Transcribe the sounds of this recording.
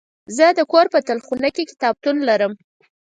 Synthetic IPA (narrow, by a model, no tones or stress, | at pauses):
zəd̪əkoɾpət̪alxunakekɪ̥t̪ɑb̚t̪unlaɾəm